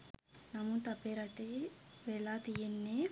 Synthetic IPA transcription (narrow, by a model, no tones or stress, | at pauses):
nɐmːut̪ɐpːeːɾɐʈeʋelat̪ijenːe